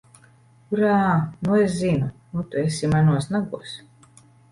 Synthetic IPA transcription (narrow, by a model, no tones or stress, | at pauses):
uɾanues̬zinunut̪uesimanuɔsnaɡuɔs